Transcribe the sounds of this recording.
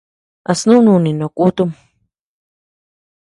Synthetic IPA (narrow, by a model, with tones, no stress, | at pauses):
a˧snũ˦nũ˧nĩ˨nõ˨ku˦t̪u˦m